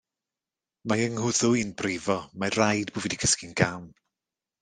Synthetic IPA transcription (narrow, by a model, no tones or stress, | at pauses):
majəŋhʊðʊinbrɪvɔmarajdbʊviːdikʰəskinɡam